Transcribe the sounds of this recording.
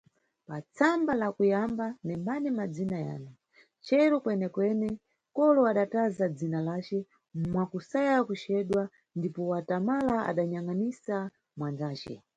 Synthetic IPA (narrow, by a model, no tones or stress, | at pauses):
pat͡sʰambalakujambanɛmbanɛmad͡zinaja̰ːnu | t͡ʃɛɾɔkwɛnɛkwɛnɛ | kɔlɔaɗatazad͡zinalaːt͡ʃɛ | mwakusajakut͡ʃɛɗwa | ndipɔwatamalaa̰ɗaɲaŋanisa | mwand͡zaːt͡ʃɛ̰